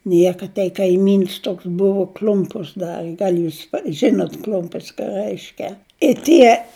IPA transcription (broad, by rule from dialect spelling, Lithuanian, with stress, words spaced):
ˈnʲiɛkɐ tʲɛɪ kɐɪˈmʲiːns ˈtoːks ˈbʊʋʊ ˈklʲʊmpʊs ˈdɑːrʲɪ ˈɡɐlʲ ˈjuːs ˈʒʲɪnʊt ˈklʲʊmʲpʲɪs kɑː ˈrəɪʃʲkʲɛ ɪ ˈtʲiɛ